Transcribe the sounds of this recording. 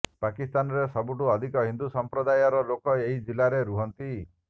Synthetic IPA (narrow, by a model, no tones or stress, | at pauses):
pakist̪anɔɾesɔbuʈuɔd̪ʱikɔɦind̪usɔmpɾɔd̪ajɔɾɔlokɔeɦid͡ʒilaɾeɾuɦɔnt̪i